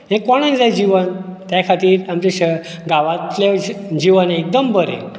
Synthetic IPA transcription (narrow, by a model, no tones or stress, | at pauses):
ɦẽkoɽ̃ed͡zajd͡ʑiʋənt̪jakʰat̪iːɾamt͡ɕeɕə | ɡaʋat̪led͡ʑiʋənek̚d̪əmbəɾḛ̃